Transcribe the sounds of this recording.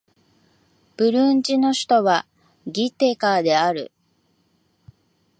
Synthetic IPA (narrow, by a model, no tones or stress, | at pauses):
b̥ɯ̟ɾɯ̟ɲd͡ʑino̞ɕi̥t̪o̞βa | ɡʲit̪eːkaːd̪e̞aɾɯ̟̰